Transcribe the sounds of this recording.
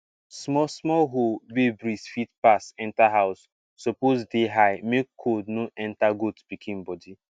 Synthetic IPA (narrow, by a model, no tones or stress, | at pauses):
smɔsmɔɦobebɾisfitpasɛ̃ntaɦawsː | opozdeɦajmekkʰːodnoʔɛ̃ntaɡotb̥ikʰĩmbɔdi